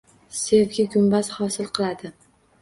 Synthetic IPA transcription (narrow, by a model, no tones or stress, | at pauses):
sevɡʲɪɡʲʊmbashɒsɪlˠqʰɨlˠad̪ɪ